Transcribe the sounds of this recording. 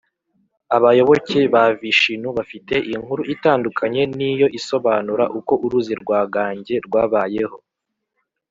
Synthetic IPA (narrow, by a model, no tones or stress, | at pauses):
aβajo̞βo̞ce̞βaviʃinuβafite̞ʔiŋhuɾuʔitaːndukʰaɲe̞nijo̞ʔiso̞βaːnuɾaʔuko̞ʔuɾuziɾɡwaːɡaːɲɟe̞ɾɡwaːβaːje̞ho̞